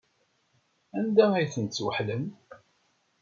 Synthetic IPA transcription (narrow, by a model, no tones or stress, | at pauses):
ænd̪ææjθənt̪t͡sːwəħlən